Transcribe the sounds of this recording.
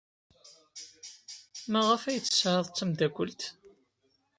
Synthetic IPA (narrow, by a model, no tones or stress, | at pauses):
mæʁəfæjət͡sːə̥sʕəðˤt͡sːæmd̪æɡʷəlt̪